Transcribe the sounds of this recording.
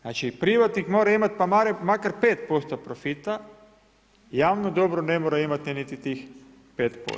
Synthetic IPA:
znat͡ʃipɾiʋat̪nikmoːɾaimat̪pamaɾemakaɾpeːt̪po̞st̪opɾofit̪a | jaːʋnod̪o̞bɾonemoɾaimat̪ninit̪it̪ix | peːt̪po̰

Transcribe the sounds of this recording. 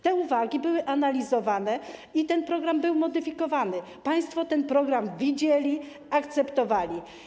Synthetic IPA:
t̪ɛuvaɡʲibɘwɘʔanalʲizɔvanɛit̪ɛnpɾɔɡɾambɘwmɔd̪ɘfʲikɔvanɘ | paj̃st̪fɔt̪ɛnpɾɔɡɾamvʲid͡ʑelʲi | akt̪sɛpt̪ɔvalʲi

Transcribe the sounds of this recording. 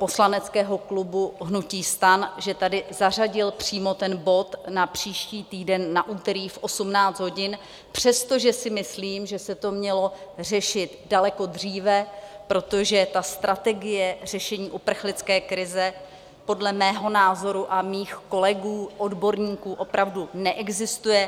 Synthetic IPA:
po̞slanɛt͡skɛːɦo̞klubuɦnuciːst̪anʒɛt̪adɪzar̝aɟɪlpr̝̥iːmo̞t̪ɛnbo̞t̪napr̝̥iːʃciːt̪iːdɛnːaʔuːt̪ɛɾiːfʔo̞sumnaːt͡sd̪ɦo̞ɟɪn | pr̝̥ɛst̪oʒɛsɪmɪsliːmʒɛsɛt̪o̞mɲɛlo̞r̝ɛʃɪt̪dalɛko̞d̪r̝iːvɛpɾo̞t̪o̞ʒɛt̪ast̪ɾʔat̪ɛɡɪjɛr̝ɛʃɛɲiːʔupr̩xlɪt͡skɛːkɾɪzɛ | po̞dlɛmɛːɦo̞naːzo̞ɾuʔamiːxko̞lɛɡuːʔodbo̞ɾɲiːkuːʔo̞pɾavdunɛʔɛɡzɪst̪ujɛ

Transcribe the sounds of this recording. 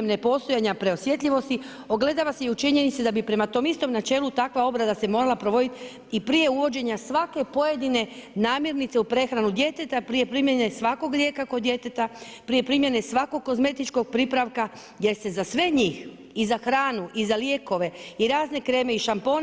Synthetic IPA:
emnepo̞st̪o̞jaɲapɾe̞osʋje̞t̪ʎʲiʋo̞st̪i | o̞ɡle̞d̪aʋaseiut͡ʃiɲe̞nit̪sed̪abipɾe̞mat̪o̞mist̪o̞mnat͡ʃe̞ːlut̪akʋao̞bɾad̪ase̞mo̞ːɾalapɾo̞ʋo̞d̪it̪ | ipɾije̞uʋo̞d͡ʑe̞ɲasʋake̞po̞je̞d̪ine̞naːmjeɾnit̪se̞upɾe̞xɾanud̪je̞t̪e̞t̪apɾije̞pɾimje̞ne̞sʋako̞ɡɾje̞kako̞d̪je̞t̪et̪a | pɾije̞pɾimjene̞sʋako̞ɡ̚ko̞zme̞t̪it͡ʃko̞ɡ̚pɾipɾaʋka | jest̪e̞zasʋe̞ɲiːx | izaxɾaːnuʔizalje̞ːko̞ʋe̞iɾaːzne̞kɾe̞ːme̞iʃampo̞ːn

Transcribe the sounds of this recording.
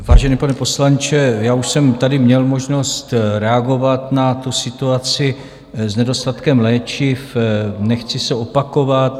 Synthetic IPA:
vaːʒɛnipanɛpo̞slant͡ʃɛjaːuʃsɛmt̪adɪmɲɛlmo̞ʒno̞st̪ɾɛaɡo̞vat̪nat̪usɪt̪uat͡sɪ | znɛdo̞st̪at̪kɛmlɛːt͡ʃɪfnɛxt͡sɪsɛo̞pako̞vat̪

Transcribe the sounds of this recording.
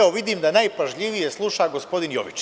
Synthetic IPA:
oʋid̪iːmd̪anajpaʒʎiʋije̞slˠuʃaɡo̞spo̞d̪injo̰ʋit͡ʃ

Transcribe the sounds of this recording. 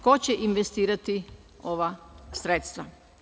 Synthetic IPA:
kot͡ɕeʔinʋest̪iːɾat̪i | oʋasɾet̪st̪ʋa

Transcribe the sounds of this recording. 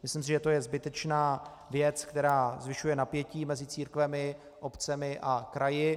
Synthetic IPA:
mɪslɪms̬ɪʒɛt̪o̞jɛzbɪt̪ɛt͡ʃnaː | vjɛt͡skt̪ɛɾaːzvɪʃujɛnapjɛciːmɛzɪt͡siːɾkvɛmɪ | ʔopt͡sɛmɪʔakɾajɪ

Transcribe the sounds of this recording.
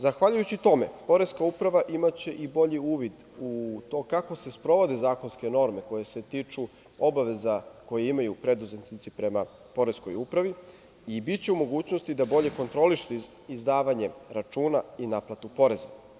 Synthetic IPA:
zaxʋaʎujut͡ɕit̪o̞me̞̰po̞ɾeskaupɾaʋaʔimat͡ɕe̞ʔibo̞ʎiuːʋid̪ | ut̪o̞kako̞se̞spɾo̞ʋo̞d̪ezaːko̞nske̞no̞ɾme̞ko̞je̞se̞t̪iːt͡ʂu | o̞baʋe̞zako̞jeimajupɾe̞d̪uzet̪nit̪sipɾe̞ma | po̞ɾe̞sko̞̰juːpɾaʋi | ibitt͡ɕeumo̞ɡuːt͡ɕno̞st̪id̪abo̞ʎe̞ko̞nt̪ɾo̞liʃi | izd̪aːʋaɲe̞ɾat͡ʃuːnainaplˠat̪upo̞ɾe̞za

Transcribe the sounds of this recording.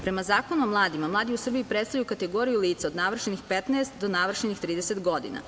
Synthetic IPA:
pɾe̞mazaːko̞nuomlˠaːd̪imamlˠaːd̪iusr̩biipɾet̪st̪aʎjukat̪eɡo̞ɾijuliːt̪sao̞d̪naʋr̩ʃenixpet̪neːst̪d̪onaʋr̩ʃenixt̪ɾiːd̪eset̪ɡo̞d̪ḭna̰

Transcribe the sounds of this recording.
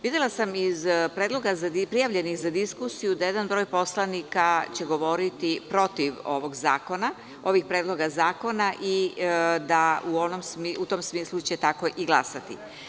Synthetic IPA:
ʋid̪jelˠasamizpɾeːd̪lo̞ɡazad̪ipɾijaʋʎe̞nixzad̪iskusijud̪aje̞d̪anbɾo̞ːjpo̞slˠanikat͡ɕeɡo̞ʋo̞ɾit̪ipɾo̞t̪iʋo̞̰ʋo̞ɡza̰ːko̞na | o̞ʋixpɾeːd̪lo̞ɡazaːko̞naʔid̪auonomsmiut̪o̞msmiːslut͡ɕet̪ako̞ʔiɡlˠasat̪ḭ

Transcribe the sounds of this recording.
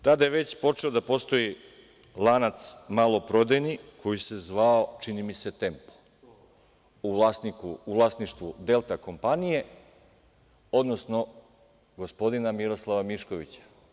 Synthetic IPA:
t̪ad̪ajeʋe̞t͡ɕpo̞t͡ʂe̞od̪apo̞st̪o̞i | lˠanat̪smalˠo̞pɾo̞d̪enikʰo̞jise̞zʋao̞t͡ʃinimise̞t̪e̞mpo̥ | uʋlasnikuuʋlˠaːsniʃt̪ʋud̪e̞lˠt̪ako̞mpanije̞ | o̞d̪no̞sno̞ | ɡo̞spo̞d̪inamiɾo̞slˠaʋamiʃko̞ʋit͡ɕḁ

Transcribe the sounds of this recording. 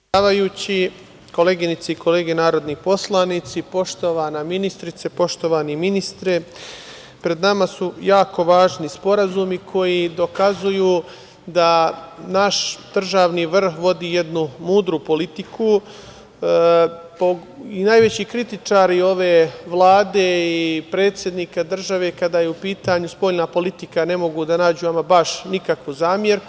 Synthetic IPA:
aːʋajuːt͡ɕi | ko̞le̞ːɡinit̪seiko̞le̞ːɡenaːɾo̞d̪nipo̞slˠanit̪sipo̞ʃt̪o̞ʋaːnaminist̪ɾit̪sepo̞ʃt̪o̞ʋaːniminist̪ɾe̞ | pɾe̞d̪namasujaːko̞ʋaːʒnispo̞ɾazumikʰo̞jid̪o̞kazujuː | d̪anaʃd̪̥r̩ʒaːʋniːʋr̩xʋo̞d̪iːje̞d̪numuːd̪ɾupo̞lit̪ikʰu | po | inajʋe̞t͡ɕikɾit̪it͡ʂaːɾio̞ʋe̞ːʋlˠaːd̪eipɾe̞ːt̪sʲje̞d̪niːkad̪r̩ʒaʋe̞ːkad̪aːjeupiːt̪aɲuspo̞ʎnapo̞lit̪ikane̞mo̞ɡud̪anaːd͡ʑuamabaʃnikakʋuzaːmje̞ɾk

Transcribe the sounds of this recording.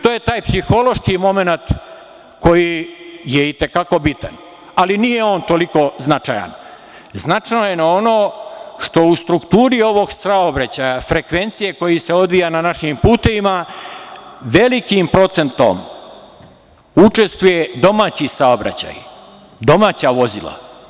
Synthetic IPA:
t̪oːje̞t̪aːjpsixo̞lo̞ʃkimo̞me̞nat̪ | ko̞jije̞it̪e̞kako̞bit̪a̰n | alinije̞o̞ːnt̪o̞liko̞znat͡ʃaja̰n | znat͡ʃnoje̞nao̞no̞ːʃt̪o̞ust̪ɾukt̪uːɾio̞ʋo̞ɡsaobɾat͡ɕajafɾe̞kʋe̞nt̪sije̞ko̞jise̞o̞d̪ʋijananaʃimpuːt̪e̞ʋima | ʋe̞likimpɾo̞t̪se̞nt̪o̞̰m | ut͡ʂe̞st̪ʋuje̞d̪o̞maːt͡ɕisaobɾa̰t͡ɕa̰j | d̪o̞maːt͡ɕaʋo̞zila̰

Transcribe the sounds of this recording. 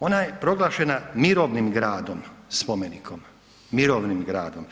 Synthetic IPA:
o̞najepɾo̞ɡlˠaːʃenamiɾoːʋnimɡɾaːd̪omspo̞menikʰomː | iɾoːʋnimɡɾaːd̪o̞m

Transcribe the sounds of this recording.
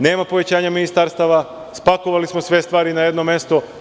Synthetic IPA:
ne̞ːmapo̞ʋe̞t͡ɕaːɲaminist̪aɾst̪aʋa | spakoʋalismosʋe̞st̪ʋaːɾinaje̞d̪nome̞st̪o

